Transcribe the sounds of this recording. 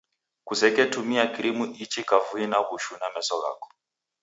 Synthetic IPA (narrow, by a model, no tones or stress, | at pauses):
kusɛkɛtumiakiɾimuʔit͡ʃikavuinaβuʃunamɛsɔɣa̰kɔ̥